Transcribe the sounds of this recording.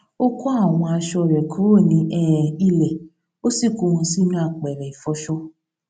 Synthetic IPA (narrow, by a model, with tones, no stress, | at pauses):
o˦ku˦a˦˨w̃ɔ̃˧a˧ʃɔ˧˨ɾɛ˨kʰo˨˦o˦˨nĩ˧ʔɛ˦˨i˧lɛ˨ | o˦si˦˨ko˨˦˧hũ˧si˦nũ˦a˦˨k͡pɛ˨ɾɛ˨i˨fɔ˧˦ʃɔ˦